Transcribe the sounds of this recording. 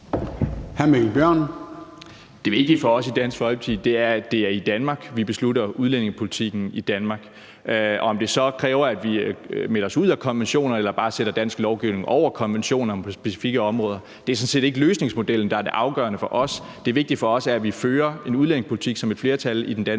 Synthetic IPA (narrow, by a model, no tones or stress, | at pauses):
hæɐmeb̥jɶɐ̰n | d̥e̝ʋe̝ɡ̥̚d̥i̥fɒ̽ɒ̽sid̥æn̰sɡ̥fɒlbt͡sʰiðˠd̥e̝æɐd̥e̝æɐid̥ænmɑ̈ːɡ̥ʋib̥e̝sluɾɐuðˠlen̰e̝ŋspʰo̝lit͡sʰiɡ̥n̩id̥ænmɑ̈ːɡ̥ | ʔɒ̽ɒ̽md̥e̝sɒ̽kʰʁɛːʊɐæd̥ʋimelɐɒ̽suð̰ˠækʰɒ̽nʋenɕo̝̰ːnɐelɐb̥ɑ̈ːseɾ̥ɐd̥æn̰sɡ̥lɒʊɡ̥iʊne̝ŋʔɒʊ̰ɐkʰɒ̽nʋenɕo̝̰ːnɐɒ̽mpʰɒsb̥e̝si̥fiɡ̥əɒ̽mʁɔ̽ːð̞ˠɐ | d̥eæɐsɒ̽nse̝̰ːd̥e̝ɡ̥əløːsne̝ŋsmo̝d̥el̰n̩d̥ɑ̈æɐd̥e̝ʔɑ̈ʊɡ̥ɶ̰ɐnəfɒ̽ʔɒ̽s | d̥e̝ʋe̝ɡ̥̚d̥i̥fɒ̽ɒ̽sæɐæʋiføːɐe̝nuðˠlen̰e̝ŋspʰoli̥t͡sʰiɡ̥sɒ̽me̝d̥fle̝ɐt͡sʰælid̥end̥æn